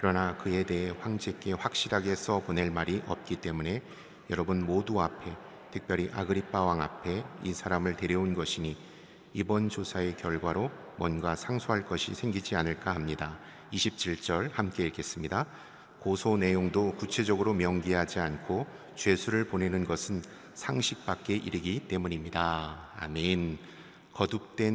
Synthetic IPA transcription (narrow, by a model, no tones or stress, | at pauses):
kɯɾʌnakɯe̞de̞ɦe̞ɸwaŋd͡ʑek͈e̞ɸwak̚ɕ͈iɾaɡe̞sʰʌpone̞ɭmaɾiʔʌp̚k͈it͈e̞mune̞ | jʌɾʌbɯnmoduapʰe̞ | tʰɯk̚pjʌɾiʔaɡɯɾip͈awaŋapʰe̞isʰaɾamɯɭte̞ɾjʌunɡʌɕʰiɲi | ibʌnd͡ʑosʰae̞kjʌɭɡwaɾo | mwʌnɡasʰaŋsʰoɦaɭk͈ʌɕʰisʰe̞ŋɡid͡ʑianɯɭk͈aɦamɲida | iɕʰip̚t͡ɕʰiɭt͡ɕ͈ʌɭhamk͈e̞iɭk͈e̞s͈ɯmɲida | kosʰone̞joŋdokut͡ɕʰe̞d͡ʑʌɡɯɾomjʌŋɡiɦad͡ʑiankʰo | t͡ɕwe̞sʰuɾɯɭpone̞nɯnɡʌsʰɯn | sʰaŋɕʰik̚p͈ak̚k͈e̞ʔiɾɯɡit͈e̞muɲimɲidaa̰men | kʌdɯp̚t͈we̞